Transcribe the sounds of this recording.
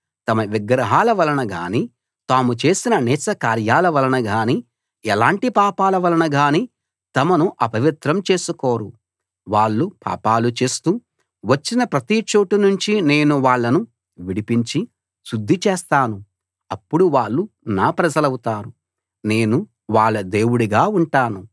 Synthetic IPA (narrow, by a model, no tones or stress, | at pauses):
t̪ɐmɐʋiɡɾɐɦaːlɐʋɐlɐnɐɡa̰ːni | t̪aːmut͡ʃe̞ːsinɐnɛːt͡ʃɐkaːɾjaːlɐʋɐlɐnɐɡaːni | ɛlaːɳʈipaːpaːlɐʋɐlɐnɐɡaːni | t̪ɐmɐnuʔɐpɐʋit̪ɾɐmt͡ʃe̞ːsukoːɾu | ʋaːɭːupa̰ːpaːlut͡ʃe̞ːst̪uː | ʋɐt͡ʃːinɐpɾɐt̪it͡ʃoːʈunuɲt͡ʃine̞ːnuʋaːɭːɐnu | ʋiɽipiɲt͡ʃi | sud̪ʱːit͡ʃeːst̪aːnu | ɐpːuɽuʋaːɭːunaːpɾɐd͡ʒɐlɐwut̪aːɾu | ne̞ːnu | ʋaːɭːɐd̪e̞ːwuɽuɡaːuɳʈaːnu